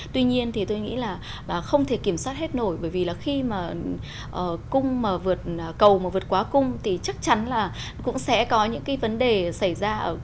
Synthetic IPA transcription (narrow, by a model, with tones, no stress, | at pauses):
t̪wi˧ɲi˧ənt̪ʰi˨˩t̪o˧jŋḭ˧˥laː˨˩ | laː˨˩xə˧wŋ͡mt̪ʰe˧˩ki˧˩əmswaː˦˥t̚he˦˥t̚no˧˩jɓəː˧˩jvi˨˩laː˨˩xi˧maː˨˩ | ʔəː˨˩kʊ˧ŋ͡mmaː˨˩vɨ˨˩ət̚ːkə˨˩wmaː˨˩vɨ˨˩ət̚kwaː˨˦kʊ˧ŋ͡mt̪ʰi˨˩t͡ɕa˦˥k̚t͡ɕa˨˦nlaː˨˩ | kʊ̰˧˥ŋ͡msɛ̰˧˥kɔ˨˦ɲɨ̰˧˥ŋkaː˨˦jvə˨˦nɗe˨˩sa˧˩jzaː˧ʔəː˧˩